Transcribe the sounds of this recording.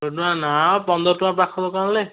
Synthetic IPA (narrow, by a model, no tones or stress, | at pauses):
ɔtuanapɔnd̪ɔtũapɹakʰɔt̪ɔkaɹle